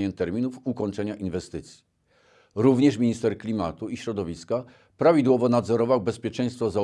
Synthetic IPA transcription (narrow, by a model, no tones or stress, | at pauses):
ɛnt̪ɛɾmʲinufukɔɲt͡ʂɛɲaʔinvɛst̪ɘt̪sʲji̥ | ɾuvɲɛʂmʲiɲist̪ɛɾklʲimat̪uiɕɾɔd̪ɔvʲiska | pɾavʲid̪wɔvɔnad̪zɔɾɔvawbɛspʲjɛt͡ʂɛ̃j̃st̪fɔza